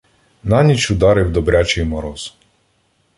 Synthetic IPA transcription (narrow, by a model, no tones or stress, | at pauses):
nɑnʲit͡ʃʊd̪ɑɾɪwd̪ɔbɾʲat͡ʃɪjmɔɾɔz̥